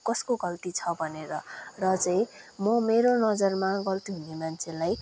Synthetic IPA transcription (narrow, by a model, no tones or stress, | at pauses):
kʌskoɡʌlt̪it͡sʰʌbʱʌneɾʌrʌt͡sʌĩmʌmeɾonʌd͡zʌrmaɡʌlt̪iɦunemant͡sʰelaj